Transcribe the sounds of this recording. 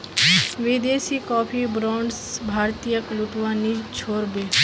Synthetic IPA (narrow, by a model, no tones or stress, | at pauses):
ʋɪd̪eːsikɔːpʰibɾɔ̃ːɳɖsbʱaːɾt̪ijəklʊʈʋaːnit͡ʃʰoːɾbeː